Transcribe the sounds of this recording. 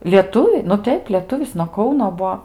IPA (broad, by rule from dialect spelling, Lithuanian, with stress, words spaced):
lʲiɛˈtʊʋʲɪ nʊ ˈtʲɛɪp lʲiɛˈtʊʋʲɪs nuɔ ˈkɐʊnoː ˈbuɔ